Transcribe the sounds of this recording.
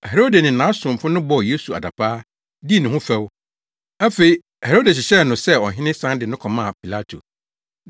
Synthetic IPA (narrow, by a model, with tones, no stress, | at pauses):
he˨ɾo˦de˨nɪ̃˨nã˨˦sʊ̃˨m˨fʊ̃˦nʊ̃˦bɔ˨je˦su˨a̰˨da˨pʰaː˦ | di˦˨nʊ̃˨ɦʊ̃˦fɛ˦w | æ˦fe˨i˦ | he˨ɾo˦de˨ɕ̬ɪ˨ɕɛ˦˨nʊ̃˨sɛ˦˨ɔ̰˨ɦɪ̃˦nɪ̃˦sã˦ndɪ˨nʊ̃˦kʰɔ˨mã˦˨pʰi˨la˦tʰo̰˨